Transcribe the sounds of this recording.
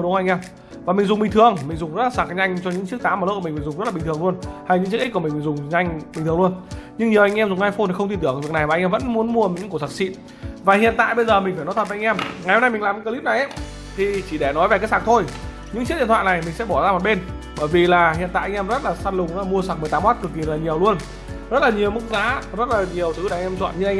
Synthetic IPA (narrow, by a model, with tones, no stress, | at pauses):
ɗʊ˨˦ʔa˧ŋ̟ʔɛ˧m | vaː˨˩mi˨˩ŋ̟zʊ˨˩ŋ͡mɓi˨˩ŋ̟t̪ɨ˨˩əŋmï̟˨˩zʊ˨˩ŋ͡mzə˦˥t̚laː˨˩saː˨˩ɲa˧jŋ̟t͡ɕɔ˧ɲɨ̰˧˥ŋt͡ɕk̚t̪aː˨˦maː˨˩l̚mi˨˩mi̟˨˩zʊ˨˩ŋ͡mzə˦˥tlaː˨˩˨ŋt̪ɨ˨˩əŋlu˧ənha˧jɲɨ̰˧˥ŋt͡ɕki˦˥kmi˨˩ŋmi˨˩ŋzʊ˨˩ŋ͡mɲa˧jŋ̟ɓi̟˨˩ɨ˨˩əlu˧ənɲɨ˧ŋɲi˨ə˩wʔa˧jŋ̟ɛ˧mzʊ˨˩ŋ͡mhaː˧jfo˧nt̪ʰi˨˩xə˧ŋ͡mt̪ʰi˧t̪ːəŋ˨vəna˨˩jmaː˨˩˧jŋʔɛː˧və̰˧˥nmu˨˦ənmu˧ə˨ɨ̰˧˥ku˧˩sa˨˩k̚sḭ˧˨ | vaː˨˩hḭ˧˨ənt̪a̰ː˧˨jɓə˧jzəː˨˩mï˨˩ŋ̟faː˧˩nɔ˨˦t̪ʰə˨˩vːa˧ŋʔɛ˧mŋa˨˩jho˧mna˧jmi˨˩ŋlːmɲɨ̰˧˥kːə˧li˦˥p̚na˨˩jʔa˦ | t̪ʰi˨˩t͡ɕi˧˩ɗɛ˧˩nɔ˨˦jve˨ka˨˦˥ksaː˨˩ŋt̪ʰo˧j | ɲɨ̰˧˥ŋt͡ɕt̚ɗḭ˧˨nt̪wa̰ː˧˨na˨˩jmï˨˩ŋ̟sɛ̰˧˥ɓɔ˧˩zaː˧mɔ˨˩t̚ɓe˧n | ɓəː˧˩jvi˨˩laː˨˩ɦḭ˧˨nt̪a̰ː˧˨ʔŋʔɛ˧mzə˦˥t̚laː˨˩saː˧nlʊ˨˩ŋ͡mzla˨˩mu˧əsa˨˩mɨ˨˩ət̪aː˨˦mwaː˦˥t̚kɨ˨˩kːi˨˩laː˨˩ɲi˨˩əwlu˧ən | zə˦˥t̚laː˨˩ɲi˨˩əwmɨ˦˥k̚za̰ː˨˦zə˦˥t̚laː˨˩ɲi˨˩əwt̪ʰɨ˨˦ɗŋʔɛ˧mt͡ɕwɔ̰ː˧˨nɲɨ˧ʔa˧ŋʔ